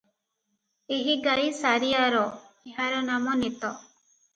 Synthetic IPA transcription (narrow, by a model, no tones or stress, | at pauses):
eɦiɡajsaɾijaɾɔeɦaɾɔnamɔnet̪ɔ